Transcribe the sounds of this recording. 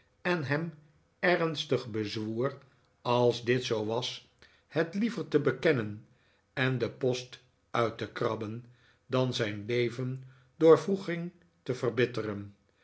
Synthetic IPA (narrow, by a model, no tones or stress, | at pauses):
ɛnɦɛm | ɛrnstəχbəzʋuːr | ɑlˠzdɪtsowʋɑs | hɛtlivəɹtəbəkɛnən | ɛndəpɔst | œɥtəkrɑbən | dɑnzɛjnlejvən | dʊːɹvruχɪŋ | təvərbɪtərən